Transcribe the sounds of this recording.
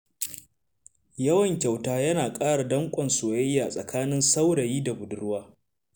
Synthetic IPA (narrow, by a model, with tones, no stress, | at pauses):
jɐ˦wɐ˨ŋkʲa˨wtaː˦jɐ˦naː˨kʼaː˦ɽa˨dɐ˦ŋkʷʼɐ˨nsoː˨jɐ˦jːaː˨sʼɐ˨kʰaː˦nɪ˦nsa˦wɽɐ˨jiː˦da˨bʊ˨dʊ˦ɽwaː˦